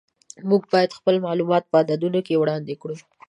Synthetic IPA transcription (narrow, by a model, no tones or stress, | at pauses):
muɡ̚bɑjad̪xpəlmɑlumɑt̪̚pəɑd̪ɑd̪unokewɽɑnd̪ekɽu